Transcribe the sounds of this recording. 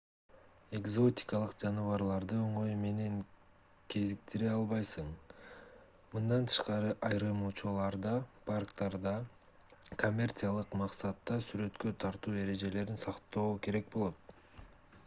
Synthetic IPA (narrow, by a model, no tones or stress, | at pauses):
e̞ɡzo̞t̪ʲɪ̥kalˠɯqd͡ʒɑnɯvɑɾlˠɑɾd̪ɯo̞ɴo̞jme̞ne̞ŋ | kʰe̞zik̚t̪iɾeɑlˠβɑjsɯɴ | mɯnd̪ɑnt̪ʰɯ̥ʃqɑɾɯʔɑjɾɯmot͡ʃulˠɑɾd̪ɑpʰarkt̪ɑɾd̪ɑ | ko̞mʲːe̞rt̪sɨjalˠɯqmɑqsɑt̪ːɑsyɾø̞t̪kø̞t̪ʰɑɾt̪uːe̞ɾe̞d͡ʒe̞le̞ɾinsɑqt̪o̞ːke̞ɾe̞k̚bo̞lˠo̞t̪̚